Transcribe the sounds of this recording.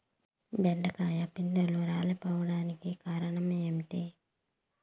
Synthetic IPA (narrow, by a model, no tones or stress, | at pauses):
bɛɖɐkaːjɐpind̪ɐluɾaːlɐpɔːʋɐɽaːnikikaːɾɐɳɐmemʈi